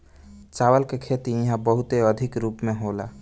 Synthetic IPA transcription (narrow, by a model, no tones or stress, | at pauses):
t͡ʃaːʋəlkekʰeːt̪ijɐɦãbəɦʊt̪eəd̪ʱɪkɾuːpmẽɦoːlaː